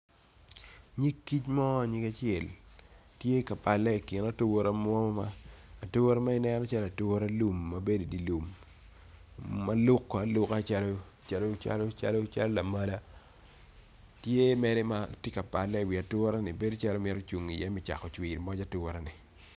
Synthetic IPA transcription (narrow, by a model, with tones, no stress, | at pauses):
ɲi˦kːi˦t͡ʃmɔ˦a˨ɲi˦ka˦t͡ʃɪɛ˨ltje˦ka˨pa˨lːɛ˦i˨kɪ˨na˦tu˦wo˦ɾa˦m˦ɔ˦mɔ˦maː˦˨tu˦wo˦ɾa˦ma˦ɪ˦nɛ˦nɔ˦t͡ʃa˦la˨tu˦ɾa˦lu˨mːa˨be˦do˨di˨lu˨m | ma˦lʊ˦kːa˨˦lʊ˦ka˦˨t͡ʃa˦lo˦ | t͡ʃa˨lo˦t͡ʃa̰˦lo˦t͡ʃa̰˦lo˦t͡ʃa˦lɔ˦la˨ma˦la˦ | tje˦mɛ˦dɛ˦ma˦te˦ka˨pa˨lːɛ˦i˨wi˨a˨tʊ˦ɾa˦nɪ˨be˦do˦t͡ʃa˦lo˦mɪ˦ɾɔ˦t͡ʃu˨ŋi˨jɛ˦mɪ˨t͡ʃa̰˨kɔ˨t͡ʃwi˨ɾmɔ˦d͡ʒa˦tu˦wo˦ɾa˦nɪ˨